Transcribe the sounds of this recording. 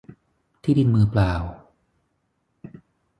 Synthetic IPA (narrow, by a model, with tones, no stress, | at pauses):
t̪ʰiː˥˩di˧nmɯː˧plaː˧w